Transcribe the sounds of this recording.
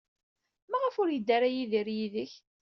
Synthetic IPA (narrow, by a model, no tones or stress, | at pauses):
mæʁəfʊɾjəd̪ːaɾajiðiɾjiðəç